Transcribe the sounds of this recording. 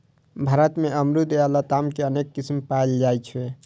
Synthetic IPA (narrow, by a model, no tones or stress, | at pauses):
bʱaːɾət̪meəmɾud̪alat̪amkeənekːismpald͡ʒajt͡ʃʰe